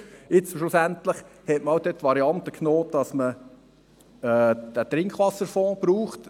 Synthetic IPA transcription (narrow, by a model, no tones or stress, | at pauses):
ɪt͡sʃʊsænt̪ləχhɛtməɑwd̪øtːʋɑɾiɑnt̪əkʰnoːd̥ɑsmə | ɛːd̪̥æt̪ɾɪŋkʰχʋɑsəɾfɔ̃ːb̥ɾuːχt